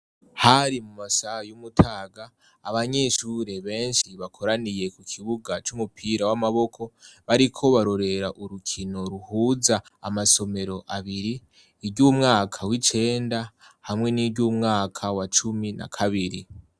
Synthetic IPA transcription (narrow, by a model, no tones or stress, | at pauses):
haɾimumasajumutʰaːɡaː | βaɲe̞ːʃuːɾe̞βe̞ːnʃiβakʰo̞ɾanije̞kukʰiβuɡat͡ʃumupʰiːɾawamaβo̞kʰo̞βaɾikʰo̞βaɾo̞ɾe̞ɾaʔuɾukʰino̞ɾuhuːzaa̰maso̞me̞ɾo̞ʔaβiɾiː | ɾɟuːmŋaːkʰawit͡ʃe̞ːnda | hamŋe̞niɾɟjumŋaːkʰawat͡ʃumina̰kʰaβiɾi